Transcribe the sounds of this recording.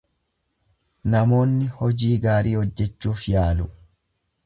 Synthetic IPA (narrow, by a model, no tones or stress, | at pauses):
nɐmo̞ːnːɪhɔd͡ʒiːɡaːɾiːhɔd͡ʒːɛt͡ʃːuːfjaːlʊ